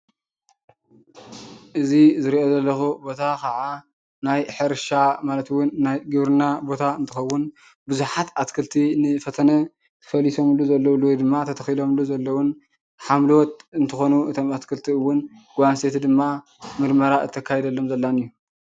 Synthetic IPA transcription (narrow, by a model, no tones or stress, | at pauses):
ʔɨzizɨɾiʔo̞zɐlːɐxubo̞t̪ʰakʰaʕa | najħɨɾʃamalɐt̪wʊnːajɡɨβɾɨnabo̞t̪ʰaɨnt̪ʰɨxɐwːʊn | bɨzuħat̪at̪kʰɨlt̪ʰinɨfɐt̪ʰɐnɐ | t̪ʰɨfɐliso̞mɨlːuzɐlːɐwlːowd̪ɨmːat̪ʰɐt̪ʰɐxilo̞mɨlːuzɐlːɐwʊn | ħamlɐwɔt̪ɨnt̪ʰɨxo̞nuɨt̪ʰo̞mat̪kʰɨlt̪ʰiɨwːʊnɡ̥ʷanset̪ʰid̪ɨmːa | mɨɾmɐɾaɨt̪ʰːɐkʰːajed̪ɐlːo̞mzɐlːanɨjːu